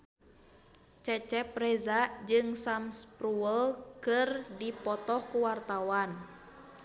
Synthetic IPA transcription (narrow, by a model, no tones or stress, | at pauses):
t͡ʃɛt͡ʃɛpɾɛzad͡ʒɨŋsamspɾuəlkɨrdipɔt̪ɔhkuwart̪awan